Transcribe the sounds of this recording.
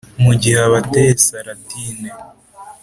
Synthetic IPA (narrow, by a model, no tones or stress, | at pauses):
muɟihaβatesaɾatiːne